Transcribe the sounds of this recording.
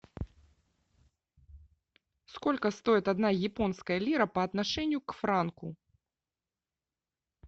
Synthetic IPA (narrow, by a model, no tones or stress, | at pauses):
skɔlʲkɐst̪ɔjit̪ad̪najɛpɔnskɐjɐlʲiɾɐpɐːt̪naʂɛnʲːukfɾanku